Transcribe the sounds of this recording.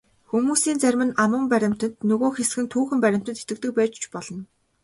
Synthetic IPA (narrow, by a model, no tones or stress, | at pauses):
xumuːsiːnt͡sæɾʲmɘ̆namʊ̆ːmpæɾʲɪ̆m̥t̪ə̆nt̪nɵɣoːxesɡɘ̆nt̪ʰuːxɘ̆mpæɾʲɪ̆m̥t̪ə̆t̪et̪ɘ̆k̚t̪ɘ̆k̚pæːt͡ɕt͡ɕpɔɮɞ̆n